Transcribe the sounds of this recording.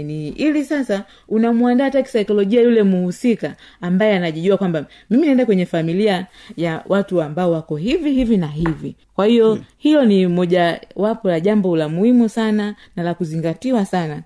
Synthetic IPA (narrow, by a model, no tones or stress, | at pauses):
niʔilisasa | unamuandaːtaki̥sajkɔlɔʄiajulɛmuhusikaː | mbajɛanaʄiʄuakwamba | miminiɛndakwɛɲɛfamilia | jawʔatuambaɔwakɔhivihivinaɦivi | kwahijɔhilɔnimɔʄawapɔlaʄambɔlamuhimusananalakuziŋɡatiwasana